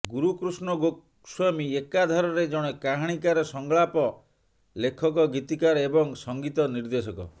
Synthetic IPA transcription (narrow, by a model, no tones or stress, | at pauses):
ɡuɾukɾusɳɔɡok | swamiekad̪ʱaɾɔɾed͡ʒɔɽ̃ekaɦaɽ̃ikaɾɔsɔŋɡɭapɔ | lekʰɔk̬ɔɡit̪ikaɾebɔŋsɔŋɡit̪ɔniɾd̪esɔkɔ̰